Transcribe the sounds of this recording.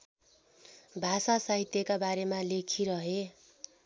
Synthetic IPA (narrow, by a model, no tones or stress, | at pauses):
bʱasasaɦit̪jʌkabaɾemalekʰiɾʌɦe